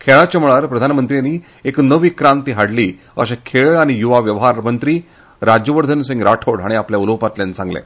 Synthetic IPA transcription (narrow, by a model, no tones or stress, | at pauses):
kʰeɭat͡ɕəmɭaɾpɾəd̪ʱanmənt̪ɾijanːiː | eknəʋikɾãnt̪iɦaɽliː | əɕãkʰeɭaɽ̃ijuʋaʋjəʋɦaɾmənt̪ɾiː | ɾad͡ʑjəʋəɾd̪ʱənsĩŋɡɾaʈʰoɽaɽ̃iapljauləʋpat̪ljant͡sãŋɡlḛ